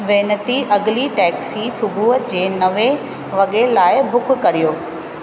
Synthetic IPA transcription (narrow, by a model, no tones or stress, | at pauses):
ʋeːnət̪iʔɐɠliʈɛːksisʊbʱuːɦəd͡ʑeːnɐʋe | ʋɐɠelaːɪbʱʊkʰkɐɾijoː